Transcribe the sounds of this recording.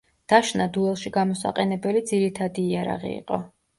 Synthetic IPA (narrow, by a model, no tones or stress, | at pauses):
d̪̥aʃnad̪uɛlˠʃiɡamɔsa̰qʼɛnɛbɛlid̪ziɾit̪ʰad̪iːaɾa̰ʁḭḭqʼɔ̰